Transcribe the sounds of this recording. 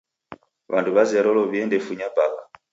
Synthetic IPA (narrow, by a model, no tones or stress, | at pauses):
βanduβaziaɾɔlɔβiɛndɛfuɲabaβa̰